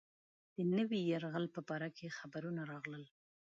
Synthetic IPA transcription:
d̪̥ənəwijaɾɣəlpəbɑɾakʰexabaɾunaɾɑɣləl

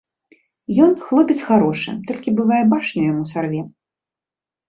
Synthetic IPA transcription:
jɔnxlˠɔpʲɛt̪sxaɾɔʂɨ̰t̪ɔlʲkʲibɨvajɛbaʂnʲujamusarvʲɛ

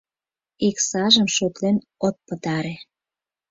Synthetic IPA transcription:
iksɑʒəmʃot̪len | ot̪̚pət̪ɑɾe

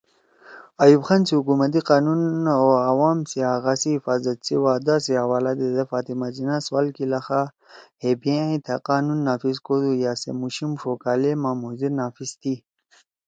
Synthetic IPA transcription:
ajubxansiɦukumɐt̪̬iqaːnunoawaːmsiaːɣaːsiifaːzɐt̪sḭwaːd̪asiɦawaːlad̪ed̪ɐfaːt̪imazinaswaːlkilɐxa | hebjãĩt̪ʰaqaːnunːaːfiskod̪ujaːsḛmuɕimʂokaːlemaːmoziɾnaːfist̪ʰi

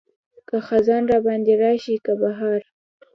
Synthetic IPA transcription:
kaxazɑnɾɑbɑnd̪eɾɑʃikabaɦaɾ

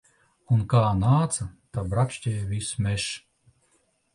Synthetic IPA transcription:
unkaːnaːt̪sɐt̪abɾakʃcʲɛjvʲismʲeʃ

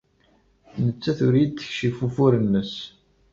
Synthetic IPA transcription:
nət͡sːæθʊɾijd̪θə̥çʃifufuɾənːəs

